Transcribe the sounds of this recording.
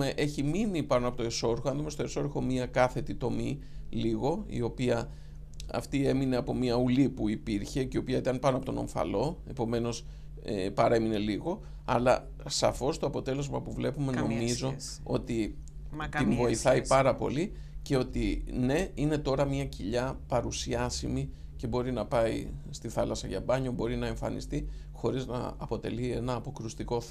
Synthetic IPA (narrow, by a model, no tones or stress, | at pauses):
eʔe̞çiminipɐnoɐpo̞t̪oeso̞ɾxoɐnðumest̪o̞e̞so̞ɾxo̞miɐkɐθe̞t̪it̪o̞mi | liɣo̞ḭo̞piɐ | ɐ̰ft̪ie̞mine̞ɐpo̞miɐulipuipiɾçe̞ceio̞piɐit̪ɐnpɐnoɐpot̪ono̞̰ɱfɐ̰lo̞e̞po̞me̞no̞s | epɐɾe̞mine̞liɣo̞ | ɐ̰lɐ | sɐ̰fo̞st̪oɐpo̞t̪e̞le̞zmɐpuvle̞pume̞no̞mizo̞ | o̞t̪i | t̪invo̞iθɐipɐɾɐpo̞̰li | ce̞o̞t̪ine̞ine̞t̪o̞ɾɐmiɐciʎɐpɐɾusiɐsimice̞bo̞ɾinɐpɐist̪iθɐlɐsɐʝɐ̰bɐɲo̞bo̞ɾinɐeɱfɐ̰nḭst̪i | xo̞ɾiznɐ̰ɐpo̞t̪e̞̰lie̞nɐːpo̞kɾust̪iko̞